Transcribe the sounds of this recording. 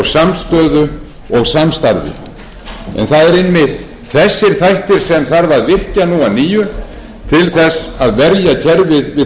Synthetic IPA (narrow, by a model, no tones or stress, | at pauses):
samst̪œːðʏ | ɔɣsamst̪a̰ɾvɪ̰ | ɛ̰nθaðɛɾɪnmɪht̪ | θɛsːɪɾ̥θajht̪ɪɾ̥sɛmθaɾvaɾðvɪr̥canuwaniːjʏ | t̪ʰɪlθɛsaðvɛɾjacʰɛɾvɪðvɪ